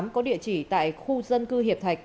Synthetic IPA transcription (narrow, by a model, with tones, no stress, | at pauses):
mkɔ˨˦ɗḭ˧˨ət͡ɕi˧˩t̪a̰ː˧˨jxu˧zə˧nkɨ˧ɦi˨˩əp̚t̪ʰa˨˩jk̚